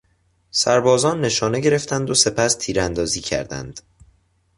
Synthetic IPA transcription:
sæɾbɒːzɒːnːe̞ʃɒːne̞ɟe̞ɾe̞ft̪ænd̪ose̞pʰæst̪ʰiːɾænd̪ɒːziːcʰæ̰ɾd̪æ̰nd̪̥

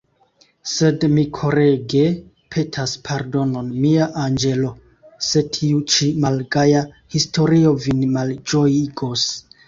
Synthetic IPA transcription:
se̞dmikʰo̞ɾe̞ɡe̞ | pʰe̞tʰaspʰaɾdo̞no̞nmiaʔand͡ʒe̞lo̞ | se̞tʰiut͡ʃimalɡaja | histo̞ɾio̞vinmald͡ʒo̞jiɡo̞s

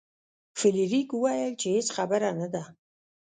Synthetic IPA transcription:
filiɾikuwajəlt͡ʃʰehet͡sχabaɾanəd̪a

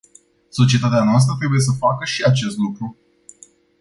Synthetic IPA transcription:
so̞t͡ʃie̞t̪at̪eanoas̬t̪ɾət̪ɾe̞buje̞s̬əfakəʃiat͡ʃe̞st̪lukɾu

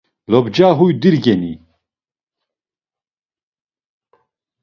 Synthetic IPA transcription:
lɔbd͡ʒaːɦujd̪iɾɡɛni

